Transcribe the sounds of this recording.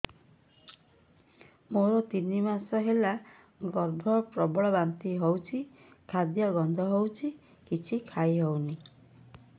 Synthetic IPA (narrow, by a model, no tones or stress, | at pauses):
moɾɔt̪inimasɔɦela | ɡɔɾd̪ʱɔpɾɔbɔɭɔbant̪iɦowt͡ʃʰi | kʰad̪jɔɡɔnd̪ʱɔɦowt͡ʃʰi | kit͡ʃʰikʰajiɦowni